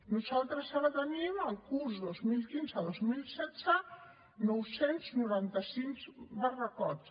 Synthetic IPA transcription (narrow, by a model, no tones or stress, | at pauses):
nuzalˠt̪ɾəsaɾət̪əniməlˠkuɾsðozmilˠkinzəðozmilˠsɛdd͡z̥ə | nɔwsenznuɾant̪əsiŋzbərəkɔt̪